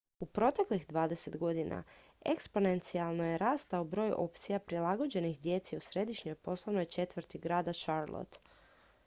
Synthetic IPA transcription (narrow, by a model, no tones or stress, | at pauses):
upɾo̞t̪e̞kliɣd̪ʋaːd̪e̞se̞t̪ɡo̞d̪inʔa̰ | ekspo̞ne̞nt̪sialˠnojeɾaːst̪aubɾo̞ːjṵʔo̞pt̪sijapɾilˠaɡo̞d͡ʑe̞nixd̪je̞t̪seusɾe̞d̪iʃɲo̞jpo̞slˠanojet͡ʃe̞t̪ʋɾt̪iɡɾaːd̪aʃaɾlˠo̰t̪